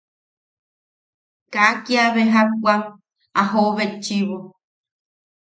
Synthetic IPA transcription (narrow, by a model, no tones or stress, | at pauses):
kakiaβeɦakʷa | aɦoβet͡ʃiβo